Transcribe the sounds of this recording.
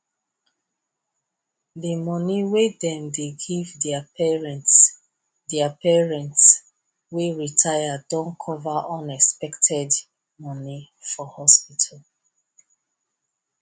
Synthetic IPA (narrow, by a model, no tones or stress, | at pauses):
demɔniwedɛ̃mdeɡivdɛapɛɹɛ̃nts | dɛapɛɹɛ̃nts | weɹitʰajadɔ̃nkʰɔvaʔɔ̃nɛkspɛktʰɛd | mɔni | fɔhɔspitʰal